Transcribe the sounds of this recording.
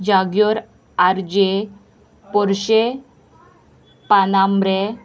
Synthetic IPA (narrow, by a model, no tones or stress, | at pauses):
d͡ʑaɡjɔɾ | aɾd͡ʑe | pɔɾɕe | panambɾe